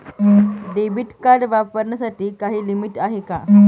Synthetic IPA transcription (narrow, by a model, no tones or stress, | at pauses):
ɖebiʈkaɾɖʋapəɾɳasaʈiːkaɦiːlimiʈaɦeka̰